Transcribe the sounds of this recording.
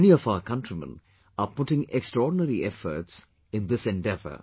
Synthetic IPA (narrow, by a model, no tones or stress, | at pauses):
niɔfaʊəkʰʌ̃ntɾimə̰̃n | apʊʈɪ̃ŋɛkstɾɔːɖɪnəɾiʔɛfə̰ɾʈs | ɪ̃nd̪ɪsɛ̃nɖɛvə̰